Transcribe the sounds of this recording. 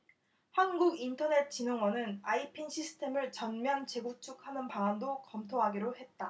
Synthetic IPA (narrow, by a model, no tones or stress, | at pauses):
hanɡuɡintʰʌne̞t̚t͡ɕ͈inoŋwʌnɯnaipʰinɕʰisʰɯ̥tʰe̞mɯɭt͡ɕʌnmjʌnt͡ɕe̞ɡok̚t͡ɕ͈ʰuk̚hanɯnpaŋandokʌmtʰoɦaɡiɾohe̞t̚t͈a